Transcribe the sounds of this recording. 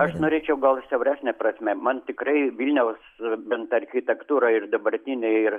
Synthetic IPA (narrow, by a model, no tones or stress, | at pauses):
ɐʃnoːɾʲeːt͡ʃʲɛʊɡɐlˠsʲɛʊɾʲæːsʲnʲɛprɐsʲmʲɛmɐnt̪ʲɪkɾɐɪʋʲilʲnʲɛʊsbʲɛnt̪ɐrʲxʲɪt̪ʲɛkt̪uːɾɐɪrd̪ɐbɐɾʲt̪ʲinʲɛɪɪr